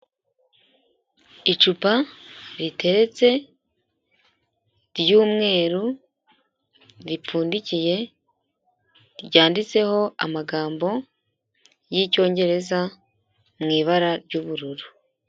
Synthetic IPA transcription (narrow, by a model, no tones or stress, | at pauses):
it͡ʃupaɾitʰe̞ɾet͡se̞ | ɾjuːmŋe̞ːɾu | ɾipuːndicije̞ | ɾɟaːndit͡se̞ho̞a̰maɡaːmbo̞ | jico̞ːɲɟe̞ɾe̞za | mŋiːβaɾaɾɟuːβuɾuɾu